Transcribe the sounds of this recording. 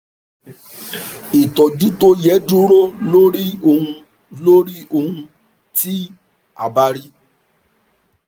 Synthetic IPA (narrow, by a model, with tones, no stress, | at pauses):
i˨tɔ˨d͡ʒu˦to˦jɛ˨˦du˦ɾo˦lo˦ɾi˦o˧hũ˧ | lo˦ɾi˦o˧hũ˧ | ti˦ | a̰˨ba˧ɾi˦